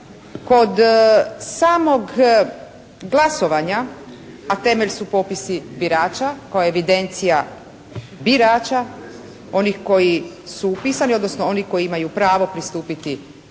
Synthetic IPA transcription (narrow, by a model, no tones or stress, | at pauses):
ko̞d̪saːmo̞ɡ | ɡlˠaso̞ʋaɲa | at̪e̞meʎsupopisibiɾaːt͡ʃakaoeʋid̪e̞nt̪sija | biɾaːt͡ʃa | o̞nixko̞ji | suupisanio̞d̪no̞snoo̞niko̞jiimajupɾaːʋo̞pɾist̪uːpit̪i